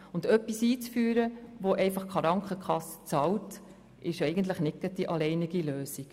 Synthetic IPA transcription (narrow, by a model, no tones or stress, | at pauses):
ʊndœpːisiːt͡sfyːɾəʋoʔɛɪfɑχkχɑɾɑŋkχəkʰχɑsə̥t͡sɑwt | ʔɪʃɛɪɡənt̪̬ləχnɪk̚ətːiʔɑlɛɪniɡ̥iløːsik